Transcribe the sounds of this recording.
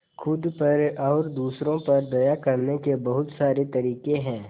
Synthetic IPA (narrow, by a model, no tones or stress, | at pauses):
kʰʊd̪pɐɾɔːɾd̪uːsɾõpɐɾd̪ɐjakɐɾnekebɐɦʊt̪saːɾet̪ɐɾiːkẽɦɛ̃ː